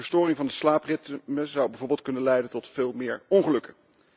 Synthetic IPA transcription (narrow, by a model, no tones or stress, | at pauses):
əɹstʊːrɪŋvɑndəslaːprɪtməzɑwbɛjvoːɹbɪlˠt̚kɵnənlɛjdəntɔtfɪːlˠmɪːɹɔnχəlɵkə